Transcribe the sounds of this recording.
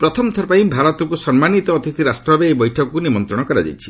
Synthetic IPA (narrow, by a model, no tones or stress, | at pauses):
pɾɔt̪ʰɔmt̪ʰɔɾpaĩbʱaɾɔt̪ɔkusɔnmanit̪ɔːt̪it̪ʰiɾasʈɾɔbeebɔjʈʰɔkɔkunimɔnt̪ɾɔɽ̃ɔkɔɾad͡ʒa̰jt͡ʃʰi̥